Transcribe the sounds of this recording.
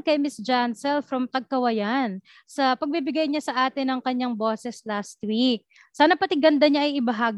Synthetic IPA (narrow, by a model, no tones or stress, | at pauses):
kɐjmɪsd͡ʒansɛlfɾɐmt̪ɐɡ̚kɐwɐjan | sɐpɐɡ̚bibɪɡajɲasɐʔaːt̪ɪnːɐŋkɐɲaŋbo̞ːsɛslaːst̪̚wik̚ | saːnɐpɐt̪ɪɡɐnd̪ɐɲaʔɐjɪbɐɦaːɡ